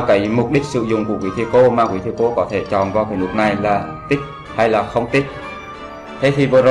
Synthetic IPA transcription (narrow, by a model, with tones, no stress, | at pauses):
kaː˨˦jmʊ˨˩k͡p̚ɗi˦˥k̟̚sɨ̰˧˨zʊ̰˧˨ŋ͡mku˧˩əkwḭ˨˦t̪ʰi˧ko˧˦maː˨˩kwḭ˨˦t̪ʰi˧ko˧kɔ˨˦t̪ʰe˧˩t͡ɕɔ̰˨nvaː˧kaː˨˦nɨ˦˥k̚na˨˩jlaː˨˩t̪i˦˥k̚ | ha˧jlaː˨˩xə˧wŋ͡mt̪i˦˥k̚ | t̪ʰe˨˦t̪ʰi˨˩və˨˦z